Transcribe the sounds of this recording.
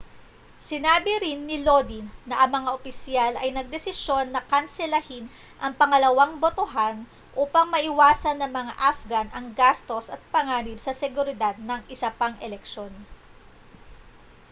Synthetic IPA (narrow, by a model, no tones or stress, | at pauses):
sɪnaːbɪɾɪnːɪloːd̪inɐʔɐŋmɐŋaʔopɪsjalʔɐjnɐɡ̚d̪ɛsɪʃjo̞nːɐkɐnsɛlɐhin | ʔɐŋpɐŋɐlɐwaŋbot̪oɦan | ʔuːpɐŋmɐʔɪwaːsɐnːɐŋmɐŋa̰ʔafɡanʔɐŋɡast̪o̞sɐt̪̚pɐŋaːnɪbsɐsɛɡʊɾɪd̪ad̪̚nɐŋʔɪsɐpaŋʔɛlɛkʃo̞n